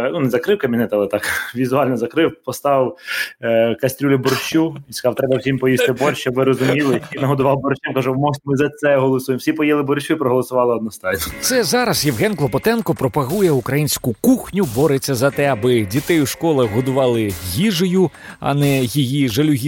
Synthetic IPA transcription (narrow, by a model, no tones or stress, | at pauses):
nunɛzɐkɾɪwkɐmʲinɛt̪ɐlˠt̪ɑkʋʲizʊɑlʲnɔzɐkɾɪwpɔst̪ɑw | kɐsʲt̪ʲɾʲulʲɪbɔrt͡ʃʲuinsʲkɐzɑwt̪ɾɛbɐwsʲimpɔjist̪ɪbɔɾʲʃɔʋɪɾɔzʊmʲilˠɪinɐɦɔd̪ʊʋɑwbɔɾt͡ʃɛmkɐʒʊmɔʒt̪ʲmɪzɐt̪sɛɦɔlˠɔsujemwsʲipɔjɛlˠɪbɔɾt͡ʃʲuipɾɔɦɔlˠɔsʊʋɑlˠɪɔd̪nɔst̪ɑjʲnɔt̪sɛzɑɾɐzjɛwɦɛnklˠɔpɔt̪ɛnkɔpɾɔpɐɦujɛukɾɐjinʲsʲkʊkuxnʲʊbɔɾet͡sʲːɐzɐt̪ɛɐbɪdʲit̪ɛjʊʃkɔlˠɐɦɔd̪ʊʋɑlˠɪɦʲiʒɔjʊɐ̰nɛɦʲijiʒɐlʲʊɦʲi